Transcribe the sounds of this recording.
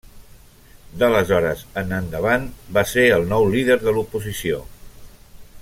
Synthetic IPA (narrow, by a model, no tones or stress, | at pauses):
d̪ələzɔɾəzənənd̪əβanbaseəlˠnɔwliðəɾðəlupuzisio